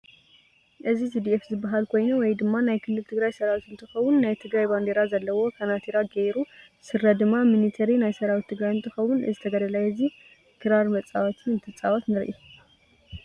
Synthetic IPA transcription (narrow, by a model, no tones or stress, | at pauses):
ʔɨzizid̪iʔefzɨbːaɦalkʰo̞jnuwɔjd̪ɨmːanajkʰɨlːɨlt̪ʰɨɡɾajsɐɾawit̪ɨnt̪ʰɨxɐwunːajt̪ʰɨɡɾajband̪eɾazɐlːɐwo̞kʰanat̪ʰiɾaɡejɾu | sɨɾɐd̪ɨmːaminit̪ʰɐɾinajsɐɾawit̪ʰːɨɡɾajɨnt̪ʰɨxɐwunʔɨ̰zɨt̪ʰɐɡɐd̪ɐlajɛzi | kʰɨɾaɾmɐt͡sʼːawat̪ʰiɨnt̪ʰɨt͡sʼawat̪nɨɾʔi